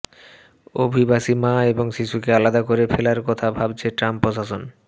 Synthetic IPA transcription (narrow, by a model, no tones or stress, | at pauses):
obʱibaʃimãeboŋʃiʃukealad̪akoɾefelaɾkɔt̪ʰabʱab̚t͡ɕʰeʈɾampːɾoʃaʃon